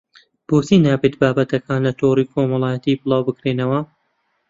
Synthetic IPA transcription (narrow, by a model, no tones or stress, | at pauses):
b̥oːsiːnaːbeːt̪baːbɐt̪ɐkʰaːnlɐt̪ʰoːriːkʰoːmɐlˠaːjɐt̪iːbɨlˠaːwbɨkɾeːnɐwɐ